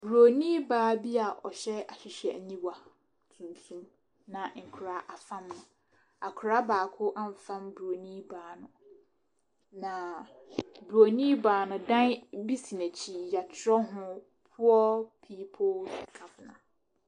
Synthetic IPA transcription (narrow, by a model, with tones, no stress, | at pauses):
bɾo˨nĩ˦baː˦bi˦a˨ʔɔ̰˨ɕɛ˦a˨ɕɪ˨ɕi˨æ̰˨ɲĩ˦wa˨ | tʰũ˨ntʰũ˦m | nã˨ŋ̩˨kʰʊ˨ɾa˨ʔa˨fã˦mnʊ̃˨ | a˨kʰʊ˨ɾa˦baː˨kʰʊ˦ʔã˦ɱ˨fã˦mbu˨ɾo˨nĩ˦baː˨˦nʊ̃˨ | nã˨ | bu˨ɾo˨nĩ˦baː˨˦nʊ̃˨dã˦nbi˦si˨næ˨t͡ɕʰi˨ja˨tʰɾɔ˦ɦʊ̃˦ | pʰʊ˦ɔ˦pʰiː˦pʰo˦lkʰa˨fnã̰˨